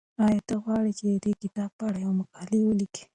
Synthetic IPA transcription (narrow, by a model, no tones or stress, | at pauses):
ɑjat̪aɣwɑɽit͡ʃed̪əd̪ekɪt̪ɑb̚paɽajawmakɑliwəliki̥